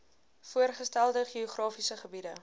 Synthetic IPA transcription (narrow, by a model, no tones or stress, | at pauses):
fuərχəstælˠdəχioχrɑːfisəχəbidə